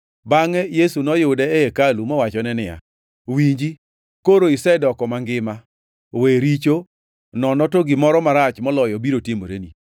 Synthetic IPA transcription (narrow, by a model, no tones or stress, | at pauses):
baŋɛjesunɔjʊdɛɛekalumɔwat͡ʃɔnɛnɪja̰ | wiɲd͡ʒi | koɾoɪsɛdɔkɔmaŋɡɪma | weɾit͡ʃo | nɔnɔtoɡɪmɔɾɔmaɾat͡ʃmɔlɔjɔbiɾotemo̰ɾḛnḭ